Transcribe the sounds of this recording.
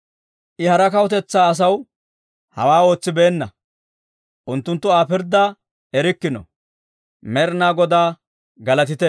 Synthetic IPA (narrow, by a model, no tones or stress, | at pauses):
ʔɪhɐɾɐkɐwʊt̪̬ɛt͡sːaːɐs̬ɐw | hɐ̰waːo̞ːt͡sːɪbe̞ːnːɐ̰ | ʔʊnt̪ːʊnt̪ːʊaːpɪɾd̪ɐ | ɛɾɪkːɪnɔ̰ | mɛɾnaːɡɔd̪aː | ɡɐlɐt̪̬ɪt̪ɛ